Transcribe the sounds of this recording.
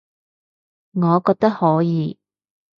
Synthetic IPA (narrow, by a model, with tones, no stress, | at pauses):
ŋɔː˨˧kɔː˧k̚t̪ɐ˥k̚hɔː˨˥jiː˨˧